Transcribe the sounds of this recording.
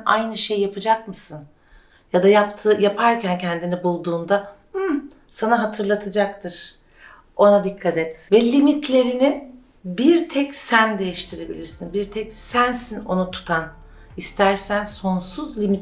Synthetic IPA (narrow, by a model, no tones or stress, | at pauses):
a̰jnɯʃejːapɯd͡ʒakmɯsɯn | jad̪ajapt̪ʰɯjapʰaɾcʰæncʰænd̪inibulˠd̪uːnd̪a | sanaɦat̪ʰɯɾlˠat̪ʰɯd͡ʒak̚t̪ʰɯɾ̥ | o̞nad̪ikʰːat̪ʰɛt̪vɛlʲimit̪ʰlʲe̞ɾinɪ | biɾt̪ʰɛcsænd̪e̞jiʃt̪ʰiɾe̞bḭlʲiɾsinbiɾt̪ʰɛcsænsino̞nut̪ʰu̥t̪ʰan | ist̪ʰæɾsænso̞nsuzlʲimit̪